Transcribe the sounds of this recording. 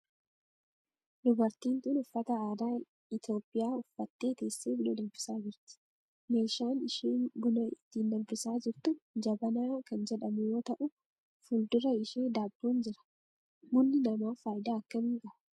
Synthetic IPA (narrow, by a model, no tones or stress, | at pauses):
d̪ʊbɐɾt̪iːnt̪ːnʊfːɐt̪ɐaːd̪aː | ɪt̪o̞ːpʼːɪjaːʊfːɐt̪ːeːt̪e̞ːsːeːbʊlɐd̪ɐlfɪ̥saːd͡ʒɪɾt̪ɪ̥ | meːʃaːnɪʃiːnbʊlɐɪt̪ːind̪ɐlbɪsaːd͡ʒɪɾt̪ʊd͡ʒɐbɐnaːkɐnd͡ʒɛᶑɐmʊjo̞ːt̪ɐʔʊ | fʊld̪ʊɾɐɪʃeːd̪aːbːuːnd͡ʒɪɾɐ̥ | mʊnːɪnɐmaːfaːjɪd̪aːɐkːɐmiŋkʼɐɐ